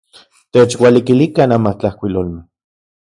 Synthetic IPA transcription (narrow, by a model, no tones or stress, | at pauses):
t̪eːt͡ʃwalikilikanamaht͡ɬahkʷilolmeh